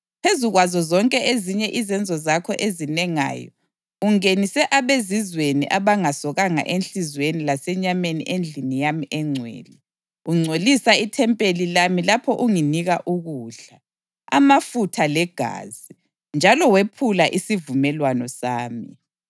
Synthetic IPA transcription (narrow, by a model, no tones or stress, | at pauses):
pʰezuɣwazɔzɔŋkʼɛeziɲɛʔizɛnd͡zʱɔzakʰɔʔezinɛŋa̰ːjɔ̰ | uŋenisɛʔaβezizwenḭʔaβaŋasɔɣaŋa̰ʔenɬizwenilasɛɲamenḭʔend͡ɮʱinijamiʔɛŋ͡ǀʱwḛːli | uŋ͡ǀʱolisaitʰɛmpʼelilamilapʰɔʔuŋiniɣaʔuɣuːɮa | a̰mafutʰalɛɡ̥ʱa̰ːzi | nd͡ʒʱalɔwepʰulaʔisivumɛlwanɔsaːmḭ